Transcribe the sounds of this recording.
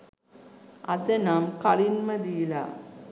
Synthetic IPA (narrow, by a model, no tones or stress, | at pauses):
ʔɐðɐnaːmkɐlinmɐd̪ijila̰ː